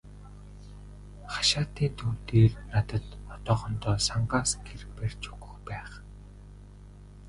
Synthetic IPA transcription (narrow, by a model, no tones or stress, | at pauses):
χḁʃaːt̪iːnt̪ʰuːt̪eːrnat̪ə̆t̪ɔt̪ɔːχɞnt̪ɔːsaɴɢaːsɡerper̥ʲt͡ɕu̥ɣɵ̆xpæːχ